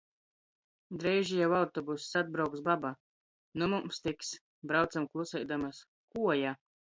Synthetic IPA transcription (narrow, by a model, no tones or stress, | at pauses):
d̪ɾɛjʒijawawt̪ɔbussad̪̚bɾawksbaba | numumst̪iks | bɾawt̪samklˠusɛjd̪amas | kuɔja